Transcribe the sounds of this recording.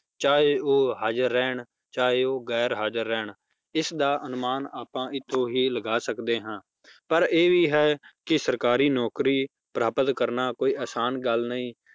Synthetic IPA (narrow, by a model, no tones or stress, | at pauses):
t͡ʃaːeːoːɦaːd͡ʒəɾːɛːɳ | t͡ʃaːeːoːɡɛːɾɦaːd͡ʒəɾːɛːɳ | ɪsd̪aːʔənʊmaːnaːpãːʔɪt̪ʰːõːɦiːləɡaːsəkd̪eːɦãː | pəɾeːʋiːɦɛːkɪsəɾkaːɾiːnɔːkɾiː | pɾaːpət̪kəɾnaːkoːiːʔaːsaːnɡəlnəĩː